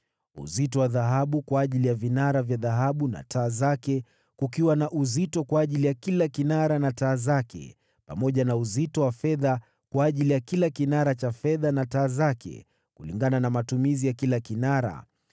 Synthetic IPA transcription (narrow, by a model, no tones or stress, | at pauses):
ṵzitɔwaðaɦaɓukwaːʄilijavinaɾavjaðaɦaɓuna̰tʰaːzakɛ | kukiwanaʔuzitɔkwaːʄilijakilakinaɾanataːzakɛ̰ | pamɔʄanauzitɔwafɛða | kwaːʄilijakilakinaɾat͡ʃafɛðanataːzakɛ̰ | kulḭŋɡananamatumizijakilakinaɾa̰